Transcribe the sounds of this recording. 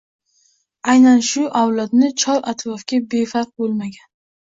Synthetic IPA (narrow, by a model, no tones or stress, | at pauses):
ajnanʃʊʔawlˠad̪nɪt͡ʃʰɒɾʔa̰t̪ʰɾɒfɡʲabe̞faɾq̚bolˠmaɡʲan